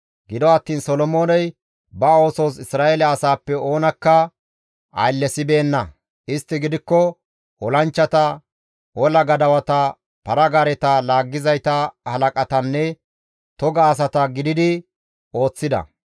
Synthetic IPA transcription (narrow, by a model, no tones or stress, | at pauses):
ɡɪd̪ɔɐt̪ːiːnsɔlɔmo̞ːnɛj | bɐo̞ːsoːs̬ɪsɾaːelɛɐsaːpːɛo̞ːnɐkːɐ | ʔɐ̰jlːɛsɪbe̞ːnːɐ | ɪst̪ːɪɡɪd̪ɪkːɔ | ɔlɐnt͡ʃːɐt̪ɐ | ɔlɐɡɐd̪ɐwɐt̪ɐ | pɐɾɐɡaɾɛt̪ɐlaːɡːɪzɐjt̪ɐhɐlɐkʼɐt̪ɐnːɛ | t̪ɔɡɐːs̬ɐt̪ɐɡɪd̪ɪd̪ɪ | o̞ːt͡sːɪd̪ɐ̰